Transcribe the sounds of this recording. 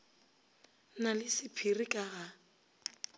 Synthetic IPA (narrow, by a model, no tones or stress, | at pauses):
nalɪsɪpʰirikʼaɣa